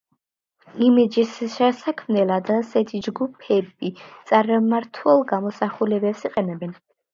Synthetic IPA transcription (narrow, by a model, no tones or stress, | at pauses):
imid͡ʒisʃɛsakʰmnɛlad̪ːsɛt̪ʰid͡ʒɡupʰɛbit̪sʼaɾmaɾt̪ʰwɛlˠɡamɔsaχulɛbɛpsiqʼɛnɛbɛn